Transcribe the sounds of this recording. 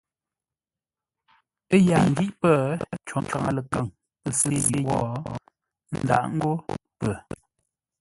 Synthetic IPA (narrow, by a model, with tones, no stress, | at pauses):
ə˦ja˨ŋ̩˨ɡi˦ʔpə˦˨t͡ʃɔ˨˦t͡ʃa˨ŋa̰˨lə˨kə˦˨ŋ | pə˨si˦je˦wɔ˦ | n̩˦da̰˨ʔŋ̩˦ɡo˦pə˨